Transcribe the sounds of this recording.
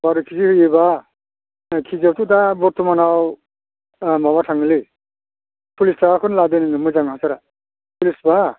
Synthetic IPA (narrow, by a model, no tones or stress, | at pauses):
baɾukʰizihɯjeba | kʰizawtʰudabɔɾtʰumanaw | mabatʰaŋli | pʰulistaakʰɔnladennɯmujzaŋhasaɾa | pʰulisba